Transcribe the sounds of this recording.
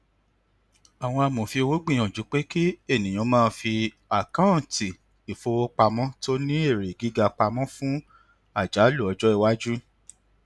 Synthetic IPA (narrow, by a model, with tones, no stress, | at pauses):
a˨w̃ɔ̃˧a˧mõ˨fi˧o˧wo˨˦ɡ͡bĩ˦˨j̃ɔ̃˨d͡ʒu˨˦k͡pe˦ki˦e˦˨nĩ˨j̃ɔ̃˨˧˦mãː˦˧fi˧ | a˨kã˦n˨ti˨ | i˨fo˦˧wo˦k͡pa˧mɔ̃˦to˦nĩ˦e˦˨ɾe˨ɡi˨˦ɡa˧k͡pa˧mɔ̃˦fũ˦ | a˦˨d͡ʒa˨˦lu˦˨ɔ˧d͡ʒɔ˦i˦˧wa˦d͡ʒu˦